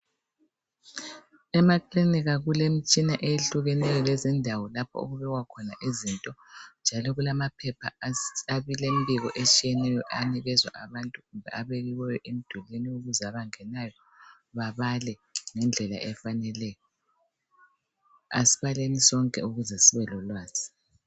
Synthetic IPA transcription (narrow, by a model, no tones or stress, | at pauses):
ɛmakʰliniɣaɣulem̩t͡ʃʼinaʔejeɬuɣɛnɛjɔlɛzindʱawɔlapʰɔ̰o̰ɣuβɛɣwakʰɔnaʔizintʼɔnd͡ʒʱalɔɣulamapʰɛpʰaaβilembʱiɣɔʔet͡ʃʼijɛnɛjɔʔaniɣɛzwa̰ʔaβantʼuɣumbʱɛ̰ʔaβeɣiwɛjɔʔem̩d̥ʱɔleniuɣuzaβaŋɛnajɔ | βaβalɛŋɛnd͡ɮʱɛla̰ʔɛfanɛlɛːjɔ | asi̥βalenisɔŋkʼɛ̰uɣuzɛsiβɛlɔlwaːz̥i̥